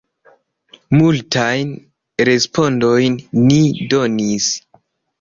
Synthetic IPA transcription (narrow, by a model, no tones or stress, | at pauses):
multajn | ɾe̞spʰo̞ndo̞jnːido̞nis